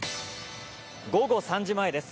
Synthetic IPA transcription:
ɡo̞ɡo̞sãɲ̟d͡ʑimaed̪e̞sɨ̥

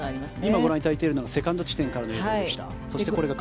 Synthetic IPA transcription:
iaimaɡo̞ɾãɲːit̪ait̪e̞ːɾɯnoɡase̞kãnd̪ot͡ɕi̥t̪ẽ̞ŋkaɾanoezd̪eɕi̥t̪a̰ | soit̪eko̞ɾe̞ɡak

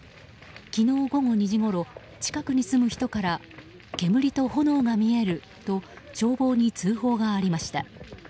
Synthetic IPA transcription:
kʲino̞ːɡo̞ŋo̞ɲ̟iʑiɡo̞ɾo̞ | t͡ɕi̥kakɯ̟ɲ̟isɨmɯ̟çi̥t̪o̞kaɾa | ke̞mɯ̟ɾʲit̪o̞ho̞no̞ːɡamʲie̞ɾɯ̟ | t̪o̞t͡ɕo̞ːbo̞ːɲ̟it͡sɨːɦo̞ːɡaːɾʲimaɕi̥t̪a̰

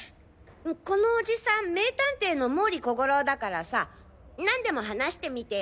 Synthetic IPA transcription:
ko̞no̞ːʑisãmme̞ːt̪ãnt̪e̞ːno̞mo̞ːɾʲiko̞ɡo̞ɾo̞d̪akaɾasa | nãnd̪e̞mo̞ɦanaɕi̥t̪e̞mʲit̪e̞

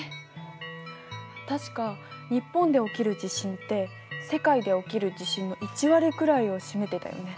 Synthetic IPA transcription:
t̪aɕi̥kaɲ̟ipːõ̞nd̪e̞o̞kʲiɾɯ̟d͡ʑiɕĩnt̪e̞ | se̞kaid̪e̞o̞kʲiɾɯ̟d͡ʑiɕĩnːo̞ʔit͡ɕiβaɾʲikɯ̟ɾaio̞ɕime̞t̪e̞t̪a̰jo̞̰ne̞

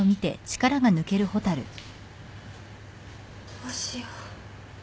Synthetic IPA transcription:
omʲit̪e̞̰t͡ɕi̥kaɾaɡanɯ̟ke̞ɾɯ̟ho̞t̪aɾɯ̟̰ | kaɕi

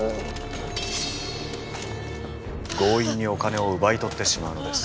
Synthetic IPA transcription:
ɡo̞ːiɲ̟ːio̞kane̞o̞ɯ̟bait̪o̞t̪ːe̞ɕimaɯ̟no̞d̪e̞sɨ̥

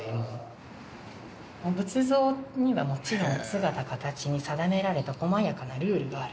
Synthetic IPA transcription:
mobɯ̟t͡sɨzo̞ːɲ̟iβamo̞t͡ɕiɾõ̞ñsɨɡat̪akat̪at͡ɕiɲ̟isad̪ame̞ɾaɾe̞t̪ako̞majakanaɾɯ̟ːɾɯ̟ɡaːɾɯ̟

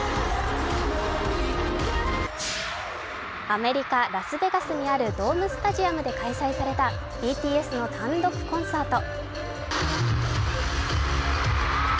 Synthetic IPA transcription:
ame̞ɾʲikaɾasɨbe̞ɡasɨɲ̟iaɾɯ̟d̪o̞ːmɯ̟sɨ̥t̪aʑiamɯ̟d̪e̞kaisaisaɾe̞t̪ḁ | iːt̪ʲiːe̞sɨno̞t̪ãnd̪o̞kɯ̟̥kõ̞ɰ̃saːt̪o̞

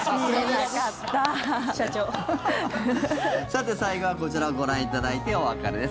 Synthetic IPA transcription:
akat̪ːaɕat͡ɕoː | sat̪ːe̞saiɡo̞βako̞t͡ɕiɾaoɡo̞ɾãɰ̃it̪ad̪ait̪e̞oβakaɾɯd̪es

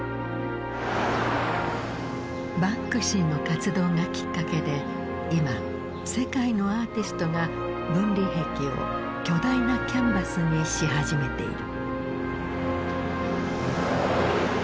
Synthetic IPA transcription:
bakːɯ̟ɕĩnːokat͡sɨd̪o̞ːŋakʲi̥kːake̞d̪e̞ | ima | se̞kaino̞aːt̪ʲisɨ̥t̪o̞ŋa | bɯ̟̃nɾʲiɦe̞kʲio̰ | kʲo̞d̪ainakʲãmbasɨɲ̟iɕiɦaʑime̞t̪e̞̰ḭɾɯ̟

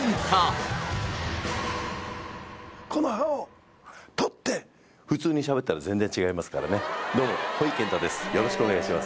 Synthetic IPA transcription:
a | kʰo̞no̞hao | t̪ot̪ːe̞ | ɸɯ̟t͡sɨːɲ̟iɕabe̞t̪ːaɾazẽ̞nd͡ze̞ɲ̟t͡ɕiɡaimasɨ̥ka̰ɾa̰ned̪o̞ːmo̞hoikẽ̞nt̪ad̪e̞sɨ̥jo̞ɾo̞ɕi̥kɯo̞neɡaiɕimasɨ̥

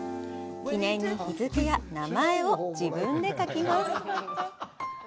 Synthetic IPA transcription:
kʲinẽ̞ɲ̟ːiçizɨkɯjanamae̞o̞d͡ʑibɯ̟̃nd̪e̞kakʲimasɨ̥

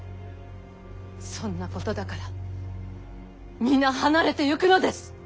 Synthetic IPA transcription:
sõ̞nːako̞t̪o̞d̪akaɾa | mʲĩnːahanaɾe̞t̪e̞jɯkɯ̟no̞d̪e̞sɨ̥

